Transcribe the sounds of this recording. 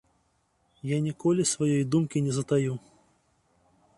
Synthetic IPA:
janʲikɔlʲisvajɔjd̪umkʲinʲɛzɐt̪aju

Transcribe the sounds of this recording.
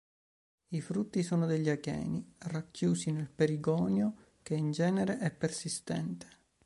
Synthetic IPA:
ifɾut̪ːisoːnod̪eʎːakɛ̰ːnirakːjuːsinelpeɾiɡɔːnjo | keind͡ʒɛːneɾeʔɛpːersist̪ɛ̰nt̪e̥

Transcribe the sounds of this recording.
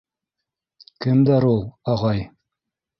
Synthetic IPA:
kɘmd̪æɾulˠɑʁɑj

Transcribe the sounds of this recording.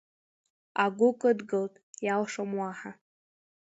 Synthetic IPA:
aɡʷʊkʼɨdɡɨltʼjalʂamwaħa

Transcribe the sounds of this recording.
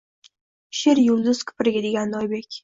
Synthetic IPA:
ʃeɾjʊld̪ʊz̥kʲʰʊ̥pɪɾɪɡʲad̪e̞ɡʲanːɒjbe̞kʲ

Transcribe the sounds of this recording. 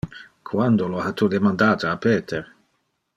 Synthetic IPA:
kʰwand̪olohat̪ud̪emand̪aːt̪aapeːt̪eɾ

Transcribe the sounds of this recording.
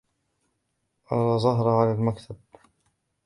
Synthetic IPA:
ʔɑɾˤɑzˤɑɦɾˤʕalalmakt̪ʰab

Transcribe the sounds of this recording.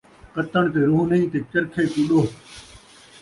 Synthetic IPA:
kət̪əɳ̃t̪eːɾuːnəĩːt̪eːt͡ʃəɾkʰeːkʊɗoː

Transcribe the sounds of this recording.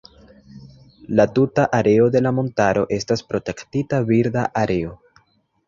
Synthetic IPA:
latutaʔaɾe̞o̞de̞lamo̞ntaɾo̞̰ʔe̞staspɾo̞te̞ktitaviɾdaʔaɾʔe̞o̞

